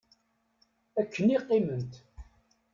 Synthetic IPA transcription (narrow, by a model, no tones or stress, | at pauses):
ækʰːəniqːimənt̪